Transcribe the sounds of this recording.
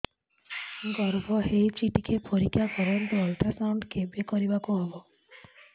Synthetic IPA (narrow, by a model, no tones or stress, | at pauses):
ɡɔɾbʱɔɦeit͡ʃiʈikʰepoɾikʰːjakɔɾɔnt̪uɔlʈɾasawɳɖkʰebekɔɾibakuɦebɔ